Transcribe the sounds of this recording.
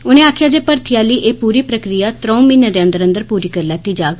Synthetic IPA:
ʊnẽːaːkʰjaːd͡ʒeːpəɾt̪ʰɪjaːliːʔeːpuːɾiːpɾəkɾɪjaːt̪ɾõːũminad̪eːə̃nd̪əɾə̃nd̪əɾpuːɾiːkəɾlɛːt̪iːd͡ʒaːɡ

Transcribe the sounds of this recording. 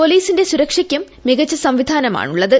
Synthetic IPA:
po̞liːsinde̞suɾɐkʂikʲːjɐmːiɡɐt͡ɕːɐsɐmʋid̪ʱaːnɐma̰ːɳuɭːɐðɨ

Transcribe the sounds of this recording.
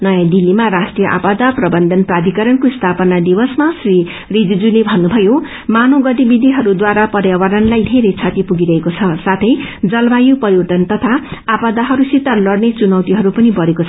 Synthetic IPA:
nʌjãd̪ilːimaɾasʈrijʌʔa̰pad̪aprʌbʌnd̪ʱʌnprad̪ʱikʌɾʌnkoist̪ʰapʌnad̪ibʌsmasri | rid͡zid͡zulebʱʌnːubʱʌjo | manoɡʌt̪ibid̪ʱiɦʌɾud̪waɾapʌrjawaɾʌnlajd̪ʱeɾejt͡sʰat̪ipuɡiɾʌɦekot͡sʰʌsat̪ʰʌjd͡zʌlbajupʌɾiʈ̪ʌnt̪ʌt̪ʰaapad̪aɦʌɾusit̪alʌrnet͡sunʌwt̪iɦʌɾupʌnibʌɾekot͡sʰ

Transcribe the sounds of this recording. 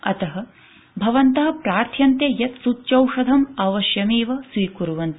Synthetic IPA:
ɐt̪ɐɦɐ | bʱɐʋɐnt̪ɐɦɐ̆pɾaːɾt̪ʰjɐnt̪jejɐt̪sutːt͡ʃɐwʂɐd̪ʱɐmaːʋɐʃjɐmeːʋɐsʋiːkuɾuʋɐnt̪

